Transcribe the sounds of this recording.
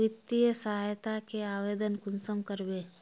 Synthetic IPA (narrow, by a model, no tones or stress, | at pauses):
ɪt̪ːijəsɐɦajt̪akeaːʋeːd̪ənkʊnsəmkəɾbeː